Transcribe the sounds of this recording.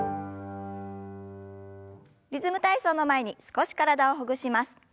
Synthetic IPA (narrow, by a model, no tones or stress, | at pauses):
ɾʲizɨmɯ̟t̪aiso̞ːno̞mae̞ɲ̟isɨ̥ko̞ɕi̥kaɾad̪ao̞ɦoɡɯ̟ɕimasɨ̥